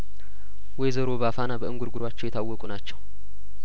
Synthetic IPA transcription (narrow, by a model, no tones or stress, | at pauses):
wɔjzəɾo̞βafanabəɨŋɡuɾɡʊɾwat͡ʃːɛwjɛt̪ʰawːɔkʼunat͡ʃːɛw